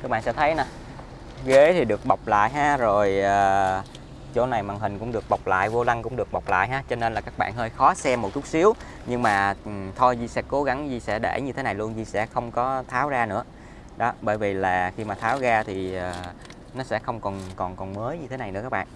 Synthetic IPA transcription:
t̪ʰɨ˧kɓa̰˧˨sɛ̰˧˥t̪ʰə˨˦jna˨˩ | ɣe˨˦t̪ʰi˨˩ɗɨ˨˩ək̚ɓa˨˩wk͡p̚la̰ː˧˨jɦaː˧zo˨˩jəː˨˩ | t͡ɕo˧˦na˨˩jmaː˨˩ŋɦï˨˩ŋ̟kʊ̰˧˥ŋ͡mɗɨ˨˩ək̚ɓa˨˩wk͡p̚la̰ː˧˨jvo˧la˧ŋkʊ̰˧˥ŋ͡mɗɨ˨˩ək̚ɓa˨˩wk͡p̚la̰ː˧˨jɦaː˧t͡ɕɔ˧ne˧nlaː˨˩kaː˦˥k̚ɓa̰ː˧˨nhəː˧jxɔ˨˦sɛ˧mːo˨˩t̚t̪ʊ˦˥t̚si˨˦əw | ɲɨ˧ŋmaː˨˩˨t̪ʰo˧jzi˧sɛ̰˧˥ko˨˦ɣa˨˦ŋzi˧sɛ̰˧˥ɗḛ˧˩ɲɨ˧t̪ʰe˨˦na˨˩jlu˧ənzi˧sɛ̰˧˥xə˧wŋ͡mkɔ˨˦t̪ʰaː˨˦wzaː˧nɨ̰˧˥ə | ɗɔ˨˦ɓə̰ː˧˩jvi˨˩laː˨˩xi˧maː˨˩t̪ʰaː˨˦wzaː˧t̪ʰi˨˩əː˨˩ | nɔ˨˦sɛ̰˧˥xə˧wŋ͡mkɔ˨˩nkɔ˨˩nkɔ˨˩nməː˨˦jɲɨ˧t̪ʰe˨˦na˨˩jnɨ̰˧˥əkaː˦˥ɓa̰ː˧˨n

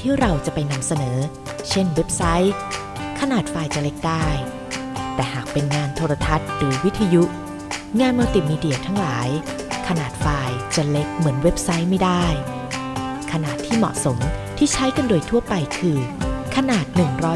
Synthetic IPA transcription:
t̪ʰiː˥˩ɾa˧wt͡ɕa˨˩pa˧jna˧msa˧nɤː˩˦ | t͡ɕʰe˥˩nwe˦˥p̚sa˦˥j | kʰa˧naː˨˩t̪̚faː˧jt͡ɕa˨˩le˦˥k̚daː˥˩j | t̪ɛː˨˩ɦaː˨˩k̚pe˧nŋaː˧nt̪ʰoː˧ɾa˧t̪ʰa˦˥t̪̚ɾɯː˩˦wi˦˥t̪ʰːa˧ju˦˥ʔ | ŋaː˧nma˧wt̪i˨˩niː˧di˨˩ɐt̪ʰa˦˥ŋlaː˩˦j | kʰa˧naː˨˩t̪̚faː˧jt͡ɕa˨˩le˦˥k̚mɯ˩˦ənwe˦˥p̚sa˦˥jma˥˩jdaː˥˩j | kʰa˧naː˨˩t̪ʰːiː˥˩mɔ̰˨˩ʔso˩˦mt̪ʰiː˥˩t͡ɕʰa˦˥jka˧ndoː˧jt̪ʰu˥˩ɐpa˧jkʰɯː˧kʰa˧naː˨˩t̪̚nɯ˨˩ŋɾɔː˦˥

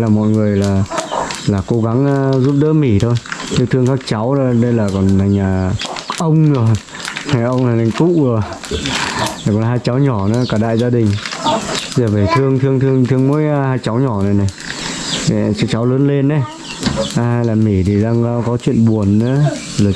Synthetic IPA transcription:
laː˨˩mɔ̰˧˨jŋɨ˨˩əjlaː˨˩laː˨˩ko˨˦ɣa˨˦ŋː˧zu˦˥p̚ɗə̰ː˧˥mi˧˩t̪ʰo˧jt̪ʰɨ˧˦t̪ʰɨ˧əŋkaː˦˥k̚t͡ɕa˨˦wɗə˧jlaː˨˩kɔ˨˩nt̪ʰa˨˩jŋ̟aː˨˩ʔə˧wŋ͡mʰ | a˨˩jʔə˧wŋ͡mta˨˩t̪ʰa˨˩ŋkṵ˧˨˧ə | a˨˩kɔ˨˩nɦaː˧jt͡ɕa˨˦wɲɔ˧˩nɨ̰˧˦kaː˧˩ɗa̰ː˧˨jzaː˧ɗï˨˩ŋ̟˧ | zəː˨˩və˧˩jt̪ʰɨ˧əŋt̪ʰɨ˧əŋt̪ʰɨ˧əŋt̪ʰɨ˧əŋmo̰˧˥jhaː˧jt͡ɕa˨˦wɲɔ˧˩na˨˩jna˨˩j | t͡ɕa˦˥k̚t͡ɕa˨˦wləː˨˦nle˧nʔə˨˦˧ | ha˧jlaː˨˩mi˧˩t̪ʰi˨˩ɗaː˧ŋ˧˦kɔ˨˦t͡ɕwḭ˧˨ənɓu˨˩ənʔɨ̰˧˦˧ | laː˨˩

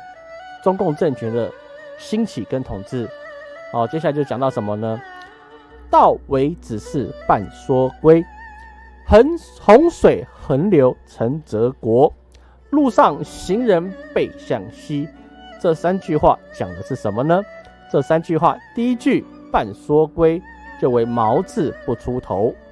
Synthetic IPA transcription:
ʈ͡ʂʊ˥ŋkʊ˥˧ŋʈ͡ʂə˥˨nt͡ɕʰɥɛ˧˥nd̪ə˧ | ɕi˥nt͡ɕʰi˨˩kə˦nt̪ʰʊ˨˩ŋt͡sɻ̩˥˩ɔ˥˨˩t͡ɕjɛ˥ɕja˥˩˧jo˥˧˩t͡ɕjɑ˨˩ŋt̪ɑ˥˩ʊʂə˧˦nmə˧nə˧ | t̪ɑ˥˨˩ʊwe˧˥ɪt͡sɻ̩˨˩ʂɻ̩˥˩pa˥˩nswɔ˥kwe˥ɪ˦ | xo˧˥ŋʂwe˨˩ɪxə˧˥nljo˧˥ʊt͡sʰə˧˥ŋt͡sɤ˧˥kwɔ˧˥ | lu˥˧ʂɑ˥˩ŋɕi˧˥ŋɻə˧˥npe˥˩ɪɕjɑ˨˩ŋɕi˥ʈ͡ʂɤ˥˩sa˦nt͡ɕy˥˧xwa̰˥˩t͡ɕjɑ˨˩ŋd̪ə˦ʂɻ̩˥˩ʂə˧˦˥nmə˧nə˧ | ʈ͡ʂɤ˥˩sa˥˦nt͡ɕy˥˧xwa̰˥˨t̪i˥˩i˦˥t͡ɕy˥˩ | pa˥˩nswɔ˥kwe˥ɪ | t͡ɕjo˥˧ʊwe˧˥˩ɪmɑ˧˥ʊt͡sɹ̩˥˧pu˥˩ʈ͡ʂʰu˥t̪ʰo˧˦ʊ

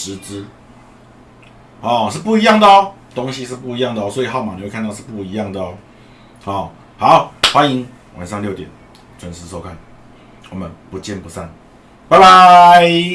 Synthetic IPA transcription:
ʂɻ̩˧˥t͡sɹ̩˦ | hɔ˨˩ʂ̬̩˥˧pu˥˩i˧˥jɑ˥˩ŋd̪ə˨ɔ˦ | t̪o˥˦ŋɕi˧ʂɻ̩˥˧pu˥˩i˧jɑ˥˩ŋd̪ə˨ɔ˧˦swɔ˧˥i˨˩ɦɑ˥˩ʊma˨ŋ˨jo˥˧kʰa˥˧t̪ɑ˥˧ʂ̩˥˧pu˥˩i˧˦jɑ˥˩ŋd̪ə˨ɔ˦ | hɔ˨˩ | ha˨˧˦ʊxwa˦ni˧˦ŋ | wʔa̰˨nʂɑ˥˧ŋljo˥˩ʊt̪jɛ˨˩˦n | t͡ɕʰwə˧˦nʂɻ̩˧˥s̬ɔ˥˩ʊkʰa˥˩n | wɔ˨˩mə˨˦npu˧˦t͡ɕjɛ˥˨npu˧˥sa˥˩n | pa˥˧ɪba˧

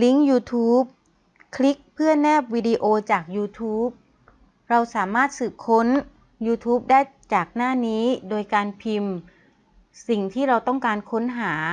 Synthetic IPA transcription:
li˦˥ŋjuː˧t̪ʰuː˦˥p̚ | kʰli˦˥k̚pʰɯ˥˩ɐnɛː˥˩p̚wiː˧di˧ʔoː˧t͡ɕaː˨˩k̚juː˧t̪ʰuː˦˥p̚ | ɾa˧wsaː˩˦maː˥˩t̪̚sɯː˨˩p̚kʰo˦˥n | juː˧t̪ʰuː˦˥p̚daː˥˩jt͡ɕaː˨˩k̚naː˥˩niː˦˥doː˧jkaː˧npʰi˧m | si˨˩ŋt̪ʰiː˥˩ɾa˧wt̪ɔ˥˩ŋkaː˧nkʰo˦˥nɦaː˩˦

